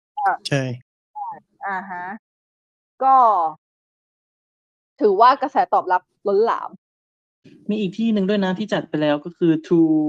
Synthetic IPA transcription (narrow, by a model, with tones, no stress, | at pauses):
kʰa˧˩t͡ɕʰa˥˩jʰ | a˧˩ | ʔa˧˩ɦa˦˥ | kɔː˥˩ | t̪ʰɯː˩˦waː˥˩ka˧sɛː˩˦t̪ɔː˨˩p̚la˦˥p̚lo˦˥nla̰ː˩˦m | miː˧ʔiː˨˩k̚t̪ʰiː˥˩nɯ˨˧ŋd̪u˥˩əjna˦˥t̪ʰiː˥˩t͡ɕa˨˩t̪̚pa˧jlɛː˦˥wkɔː˥˩kʰɯː˧t̪ʰuː˧